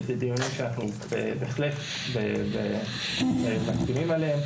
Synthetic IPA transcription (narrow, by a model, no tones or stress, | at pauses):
t̪ed̪ijunoʃeanaχnubḛbeχlef | bebe | emakkimimaleem